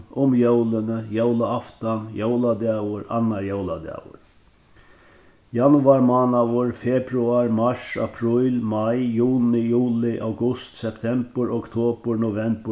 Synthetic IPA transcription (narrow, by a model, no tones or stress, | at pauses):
ʊmjowlɪnəjowlaaft̪anjowlad̪ɛːwʊɾa̰nːaɹjowla̰d̪ɛ̰ːwʊ̰ɾ | janʊaɹmaːnaʋʊɹfɛpɾuaɹmaʂa̰pʰɾɪjlmajjuːnɪjuːlɪʔawɡʊst̪sɛpt̪ʰɛmpəɾɔkt̪ʰoːpəɾnʊvɛmpə